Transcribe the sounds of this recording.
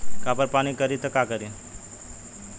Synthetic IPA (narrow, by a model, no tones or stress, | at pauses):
kapəɾpanikəɾit̪əkakəɾi